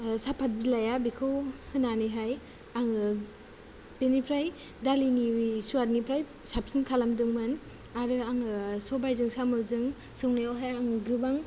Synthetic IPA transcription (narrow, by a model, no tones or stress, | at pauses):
sapʰat̚bzilajabikʰɯwhɯnaniɦaj | aŋɯ | benipʰɾaj | daliniwisuaɾnipʰɾaj | sap̚sinkʰalamdɯŋmɯn | aɾɯaŋɯsɔbajzɯŋsamɯzɯŋ | sɯŋniawɦajaŋɡɯbaŋ